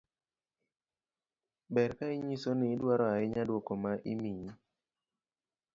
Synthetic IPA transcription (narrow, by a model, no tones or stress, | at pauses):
bɛɾkaiɲisonɪːdwaɾɔaɪɲadwokɔmaʔimi